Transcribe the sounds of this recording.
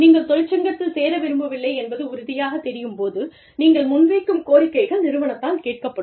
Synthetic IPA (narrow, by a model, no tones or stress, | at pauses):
niːŋɡɐɭt̪ɔɻt͡ʃːɐŋɡɐt̪ːɪlseːɾɐʋɛɾɯmbɐʋɪlːɐɪɛnbɐðɯʊɾʊðɪjaːɣɐt̪ːɛɾɪjɯmpoːðɯ | niːŋɡɐɭmʊnʋeːkːɯmkoːɾɪkːɐɪɣɐɭnɪɾɯʋɐnɐt̪ːaːnkeːʈ̚kɐpːɐɽɯ